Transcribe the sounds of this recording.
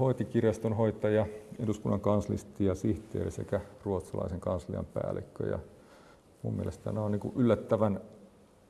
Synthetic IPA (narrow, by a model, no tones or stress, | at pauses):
hoit̪ikirjɑst̪onhoit̪ɑjɑeduskunːɑŋkɑnslḭst̪ːˑiɑsiht̪ḛːrisekæruot̪sɑlɑ̰iseŋkɑnslḭɑ̰mpæ̰ːlḭkːø̰jɑ̰ | mṵmmielest̪ænonniːkṵʔylːæt̪ːæʋæn